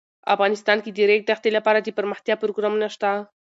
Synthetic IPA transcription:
a̰fɣɑnɪst̪ɑnkid̪iɾek̚d̪axt̪elapɑɾad̪əpəɾməxt̪japɾoɡɾamunaʃt̪a

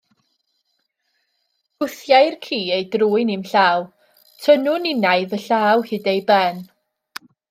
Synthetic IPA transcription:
ʊθjajrkʰiːejdruːɨnimɬaːw | tʰənʊnɪnajðəɬaːwhɨːdejbɛn

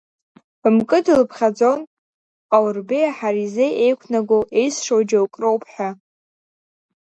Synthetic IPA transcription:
mkʼɨdɨlɨpʰχʲad͡zo̞n | awrbejaħaɾizejʔejkʷʰnaɡʷoʔe̞jsʂowd͡ʒawkʼrowpʰħʷᶣa

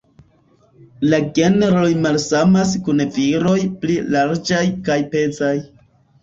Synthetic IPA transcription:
laɡe̞neɾo̞jmalsamas̬kunviɾo̞jplilaɾd͡ʒajkajpe̞t͡saj

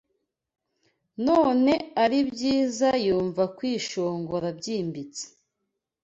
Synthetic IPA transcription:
noːne̞aɾibɟiːzajuːɱvakwiːʃo̞ːŋɡoɾabɟiːmbit͡se̥

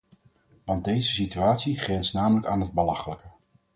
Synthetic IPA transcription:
ʋɑnt̚dejzəsityaːtsiχrɛnsnaːmələkaːnɦəd̚bəlɑχələkə

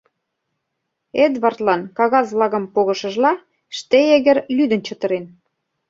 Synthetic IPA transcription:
ed̪βɑrt̪lɑnkɑɣɑzβlɑɣɤ̆mpoɣɤ̆ʃə̆ʒlɑ | ʃt̪eeɣə̆ɾlyd̪ə̆nt͡ɕɤ̆t̪ɤ̆ɾen

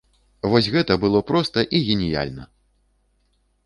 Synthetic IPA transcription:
vɔsʲɣɛt̪ɐbɨlˠɔpɾɔst̪ɐʔiɣʲenʲija̰lʲnɐ

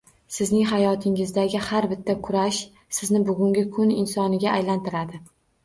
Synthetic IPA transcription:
sɪznɪŋɦajɒt̪ʰɪŋɪzd̪aɡʲɪhaɾbɪt̪ʰːakʰʊɾaʃ | sɪznɪbʊɡʲʊŋɡʲɪkʰʊnɪnsɒnɪɡʲaːjlant̪ʰɪɾad̪ɪ

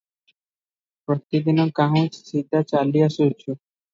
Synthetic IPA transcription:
pɾɔt̪id̪inɔkaɦõssʰid̪at͡ʃaliasut͡ʃʰu

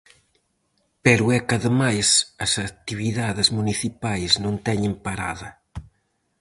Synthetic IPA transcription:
pɛɾʊɛkɐðəmajsɐsɐt̪iβiðaðezmuniθipajznõnt̪ɛɲɪmpaɾa̰ðɐ

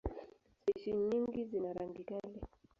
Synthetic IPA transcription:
sɛʃiɲiŋɡizinaɾaŋɡikalɛ

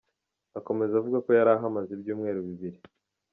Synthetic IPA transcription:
ako̞me̞zavuɡako̞jaɾaɦamazibjuːmŋe̞ːɾuβiβiɾi

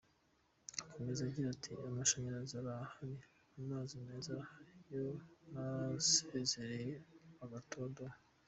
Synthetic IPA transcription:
akʰomezaɟiɾatʰiamaʃaɲaɾazaɾahaɾi | amaːzime̞ːzajonaseze̞ɾejeaɡatʰodoa

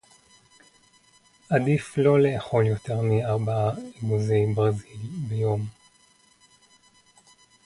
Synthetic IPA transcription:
ʔadiflo̞leːχo̞ljo̞te̞ʁmiaʁbaaiɡuzejbʁazilbejo̞m

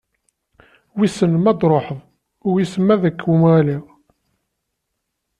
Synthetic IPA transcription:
wisənmæd̪ɾˤoħəðˤ | ʊjisəmæðəkːwumʁæliʁ

